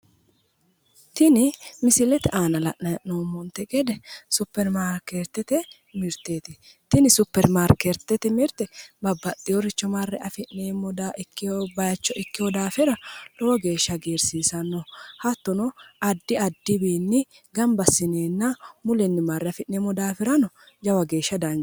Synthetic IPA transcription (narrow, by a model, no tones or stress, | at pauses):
t̪ɪnɪmɪsɪlɛt̪ɛʔaːnɐlɐʔnɐʔnoːmːɔnt̪ːɛkɛd̪ɛsʊpːɛɾmaːɾkeɾt̪ːɛt̪ɛ | mɪɾt̪ːeːt̪ɪt̪ɪnɪsʊpːɛɾmaːɾkeɾt̪ːɛt̪ɛmɪɾt̪ɛbɐbːɐɗːɪjɔɾɪt͡ʃːɔmɐrːɛʔɐfɪʔneːmːɔd̪aːʔɪkːɪjɔbɐjɐt͡ʃːɔʔɪkːɪjɔd̪aːfɪɾɐlɔwɐɡe̞ːʃːɐɡeːɾsiːsɐnːɔhɐt̪ːɔnɔʔɐd̪ːɪɐd̪ːɪbiːnːɪ | ɡɐmbɐsːɪneːnːɐmʊlɛnːɪmɐɾːɛɐfɪʔneːmɔd̪aːfɪɾɐnɔ | d͡ʒɐwɐɡe̞ːʃːɐd̪ɐn